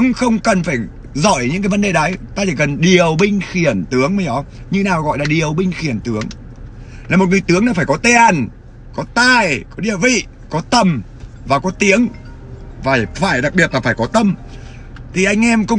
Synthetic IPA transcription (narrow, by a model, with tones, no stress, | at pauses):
ŋxə˧wŋ͡mkə˨˩nfaː˧˩j | zɔ˧˩˨jɲɨ̰˧˥ŋkaː˨˦jvə˨˦ɗe˨˩ɗə˨˦jt̪aː˧t͡ɕḭ˧˩kə˨˩nɗi˨˩əwɓï˧ŋ̟xi˧˩ənt̪ɨ˨˦əŋməː˨˦jʔɔ˨˦ | ɲɨ˧naː˨˩˨ɣɔ̰˧˨jlaː˨˩ɗi˨˩əwɓï˧ŋ̟xi˧˩ənt̪ɨ˨˦əŋ | laː˨˩mo˨˩t̚ŋ˨˩jt̪ɨ˨˦əŋnaː˧˦faː˧˩jkɔ˨˦t̪e˧˩ʔa˨˩n | kɔ˨˦t̪aː˧˩jkɔ˨˦ɗi˨˧˩əvḭ˧˨ | kɔ˨˦t̪ə˨˩m | vaː˨˩kɔ˨˦t̪i˨˦əŋ | vaː˨˧˩jfaː˧˩jɗa˨˩k̚ɓi˨˩ət̚la˨˩faː˧˩jkɔ˨˦t̪ə˧m | t̪ʰi˨˩ʔa˧jŋ̟ʔɛ˧mkʊ̰˧ŋ͡m